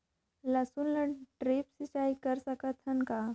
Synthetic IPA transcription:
ləsunləʈɾepsit͡ʃaikəɾsəkat̪ʰːənka

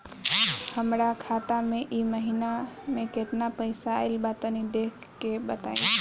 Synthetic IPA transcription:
həmɾakʰat̪amẽʔiməɦinamẽket̪napəɪsaːɪlbat̪ənid̪ekʰkːebət̪aĩ

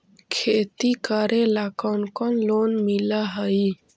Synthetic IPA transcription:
kʰet̪ikəɾelakɔnkɔnlonmilaɦəi

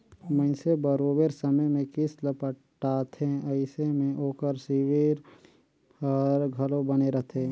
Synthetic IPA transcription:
məɪnsebəɾoːbeɾsəməjmẽkɪsləpə | ʈːaːt̪ʰẽɐɪsemẽʔoːkəɾsiweɾ | əɾɡʱɐlõbɐneɾɐt̪ʰẽ

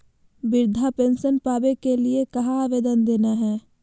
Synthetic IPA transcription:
bɪɾd̪ʱapẽːnsənpaːbekeliekɐɦãaːʋeːd̪ənd̪eːnaɦɛː

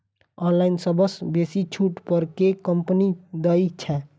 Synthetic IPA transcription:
ɔ̃nlainsəbəsbesit͡ʃʰuʈpəɾkekəmpnid̪əjt͡ʃʰɛ

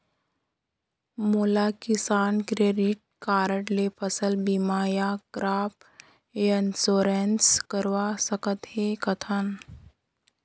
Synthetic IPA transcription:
moːlakɪsaːnkɾeːɖɪʈ̚kaːɾəʈlepʰəsəlbimaːjakɾaːp̚ː | ənsoːɾenskəɾwasəkət̪ɦekɐt̪ʰən

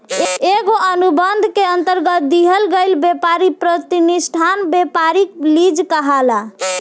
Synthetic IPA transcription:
eɡoʔənubənd̪ʱkeənt̪əɾɡət̪̚d̪iɦəlɡejlbepaɾipɾət̪inisʈʰanbepaɾiklid͡ʒkəɦala

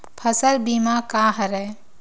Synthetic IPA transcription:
pʰəsəɾbimakaɦəɾəj

